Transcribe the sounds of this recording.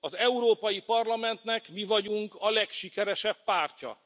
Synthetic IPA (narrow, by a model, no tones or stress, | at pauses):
ɒzɛuɾoːpɒjipɒrlɒmɛnt̪nɛkmivɒɟuŋkɒlɛkʃikɛɾɛʃɛpːaːrcɒ̰